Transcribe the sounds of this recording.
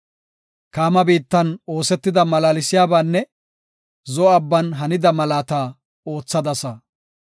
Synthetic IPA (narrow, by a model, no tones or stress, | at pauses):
kaːmɐbiːt̪ːɐno̞ːsɛt̪ːɪd̪ɐmɐlaːlɪsɪjaːbaːnːɛ | zɔɐbːɐnɦɐnɪd̪ɐmɐlaːt̪aː | o̞ːt͡sːɐd̪ɐsɐ